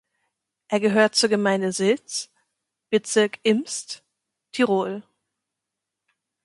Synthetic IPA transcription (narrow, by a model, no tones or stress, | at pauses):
ʔeːɐɡəɦøːɐt̚t͡suːɐɡəmaɪndəzɪlt͡s | b̥ət͡sɪɐkɪmst | tʰiʁoːl